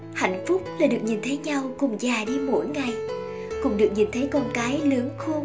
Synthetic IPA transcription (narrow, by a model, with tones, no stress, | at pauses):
ha̰˧˨jŋ̟fʊ˦˥k͡p̚laː˨˩ɗɨ˨˩ək̚ɲi˨˩nt̪ʰə˨˦jɲa˧wkʊ˨˩ŋ͡mzaː˨˩ɗi˧mo̰˧˩jŋa˨˩j | kʊ̰˨˩ŋ͡mɗɨ˨˩ək̚ɲi˨˩nt̪ʰə˨˦jkɔ˧nkaː˨˦jlɨ˨˦əŋxo˧